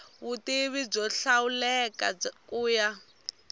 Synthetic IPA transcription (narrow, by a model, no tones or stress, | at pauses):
βutiβib͡ʐɔɬaulɛkakuːja